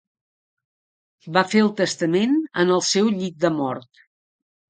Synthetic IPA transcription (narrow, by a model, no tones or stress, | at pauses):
bafeəlˠt̪əst̪əmenə̰nəlˠsɛwʎik̪̚d̪əmɔɾt̪